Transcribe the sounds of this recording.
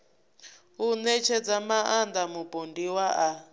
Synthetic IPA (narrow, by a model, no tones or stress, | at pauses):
unɛt͡ʃʰɛd͡zamaʔand̪amupʼondiwaʔa